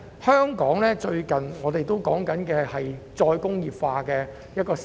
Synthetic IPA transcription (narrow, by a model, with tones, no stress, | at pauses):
hœː˥ŋkɔː˨˥ŋlɛː˥t͡ʃɵ˧ɥkɐ˨nŋɔː˨˧t̪e˨jt̪o˥wkɔː˨˥ŋkɐ˨˥nkɛː˧hɐ˨jt͡ʃɔː˧jkʊ˥ŋjiː˨p̚faː˧kɛː˧ | jɐ˥t̚kɔː˧